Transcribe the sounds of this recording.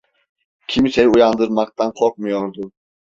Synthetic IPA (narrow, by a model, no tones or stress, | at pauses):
kʲʰimsɛjujɑnd̪ɨɾmɑq̚t̪ʰɑnqʰoɾq̚mujoɾd̪u